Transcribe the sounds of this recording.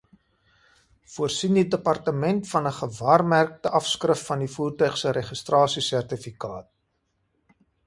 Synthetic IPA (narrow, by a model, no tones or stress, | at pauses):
fuərsindidəpɐrtəmɛntfɐnəχəvɑːrmærk̚təʔɐfskrəfːɐndifuːrtœɥχsəɾɛχəstrɑːsisærtifikɑːt̚